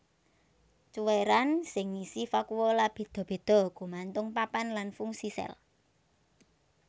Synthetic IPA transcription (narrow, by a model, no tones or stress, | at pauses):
t͡ʃuweɾansɪŋisifakuwɔlab̥e̤d̪̥ɔ̤b̥e̤d̪̥ɔ̤ɡ̥ṳmant̪ʊŋpapanlanfuŋsisɛ̰l